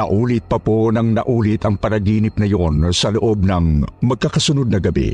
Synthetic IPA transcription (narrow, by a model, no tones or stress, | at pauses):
ɐʔuːlɪt̪̚pɐponɐŋnɐʔuːlɪt̪ɐŋpɐɾɐɡiːnɪp̚nɐjonsɐloʔob̚nɐŋmɐɡ̚kakɐsʊnod̪̚nɐɡɐbɛ̰